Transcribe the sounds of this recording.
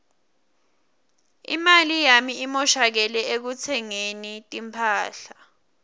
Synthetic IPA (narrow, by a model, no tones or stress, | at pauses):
ḭmalijamiimɔʃak̬ɛlɛek̬ut͡sʰɛŋenitʼimpʰaːɬa